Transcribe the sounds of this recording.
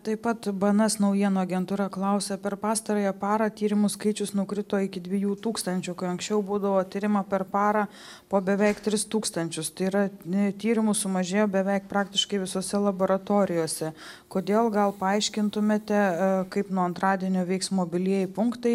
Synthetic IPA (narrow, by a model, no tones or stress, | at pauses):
t̪ɐɪpɐt̪bɐnɐsnɐʊjiɛnoːɐɡʲɛnt̪uːɾɑklˠɐʊsʲɛpʲɛrpɑːst̪ɐɾoːjɛpɑːɾɐt̪ʲiːɾʲɪmʊskɐɪt͡ʃʲʊsnʊkɾʲɪt̪oːɪkʲɪd̪ʲʋʲɪjuːt̪uːkst̪ɐnʲt͡ʃʲʊkɐɪɐŋksʲt͡ʃʲɛʊbuːd̪ɐʋoːt̪ʲiːɾʲɪmɐpʲɛrpɑːɾɐː | poːbʲɛʋʲɛɪkt̪ʲɾʲɪst̪uːkst̪ɐnʲt͡ʃʲʊst̪ɐɪiɾɐt̪ʲiːɾʲɪmʊsʊmɐʒʲeːjoːbʲɛʋʲɛɪk̚pɾɑːkt̪ʲɪʃkɐɪʋʲɪsoːsʲɛlˠɐboːɾɐt̪oːɾʲɪjoːsʲɛ | koːd̪ʲeːlˠɡɐlˠpɐɐɪʃʲkʲɪnt̪ʊmʲeːt̪ʲɛkɐɪpnuɔɐnt̪rɑːd̪ʲiɛnʲoːʋʲɛɪksmoːbʲɪlʲiɛjɪpʊŋkt̪ɐɪ